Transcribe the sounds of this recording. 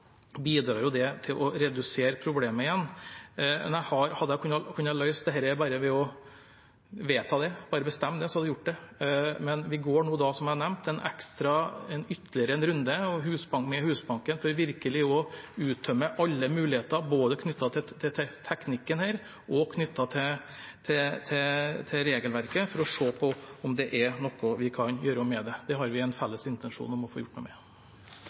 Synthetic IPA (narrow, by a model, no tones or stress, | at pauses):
biːd̪ɾɑːɾjʊd̪ɛt̪ʰɪlʔɔɾɛd̪ʉseːɾəpʰɾʊbleːməɪjɛnː | mɛ̰njæɪhɑɾhɑd̪ːəkʰʉnːɑkʰʉnːəɑlœʏsd̪ɛhɛːɾəbɑːɾəʋɛɔ | ʋeːt̪ʰɑːd̪ɛb̥ɑːɾəbəst̪ɛmːd̪ɛɔshɑd̪ːɛjʊʈ̚ːd̪ɛmɛnʋɪɡoːɳuːd̪ɑsɔmjæɳɛmt̪ʰɛnʔɛ̰kst̪ɾɑɛnʏt̪ːəlɪəɾəɛnɾʉnd̪əɔɦʉːsbɑŋmɛhʉːsbɑŋkənfɔʋɪɾkəlɪɔʉːt̪̚dœməʔɑlːəmʉːlɪheːt̪ɑboːd̪əkʰnʏt̪ːɑt̪ʰɪt̪ʰɪt̪ʰɛt̪ʰɛknɪkːənhæːɾ | ʔɔkʰnʏt̪ːɑt̪ʰɪ | t̪ʰɪt̪ʰɪt̪ʰɪɾeːɡəlʋæɾkəfɔɾɔʂoːpʰɔɔmd̪ɛʔɛɾnɔkːɔʋɪkʰɑnjøːɾɔmɛd̪ɛd̪̥ɛɦɑɾʋɪɛnfɛlːəsɪnt̪ənʂṵːnɔmɔfo̰ːjʊʈ̚ːmṵmɛ̰